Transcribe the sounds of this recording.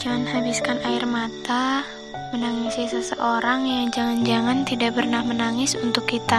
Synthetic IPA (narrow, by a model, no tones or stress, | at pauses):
d͡ʒaŋanhabiskanaɪrmat̪a | mənaŋisɪsəsə̰ʔoɾaŋjaŋd͡ʒaŋand͡ʒaŋant̪idaʔpərnahmənaŋɪsunt̪ʊkːit̪a